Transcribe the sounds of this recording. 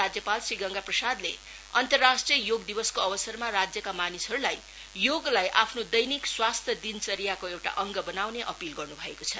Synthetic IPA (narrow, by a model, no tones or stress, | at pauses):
ad͡zjʌpalsriɡʌŋɡaprʌsad̪lḛ | ʌnt̪ʌrːasʈrijʌjoɡd̪ibʌskoʌbʌsʌrmaɾad͡zjʌkamanisʌɾulaj | joɡlajʔapʰnod̪ʌjnikswast̪ʰjʌd̪int͡sʌɾijakoewʈa̰ʔʌŋɡʌbʌnawneʔʌpilɡʌrnubʱʌekot͡sʰʌ